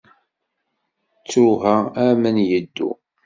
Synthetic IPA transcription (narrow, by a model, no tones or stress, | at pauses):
t͡sːɾuɦææmənjəd̪ːṵ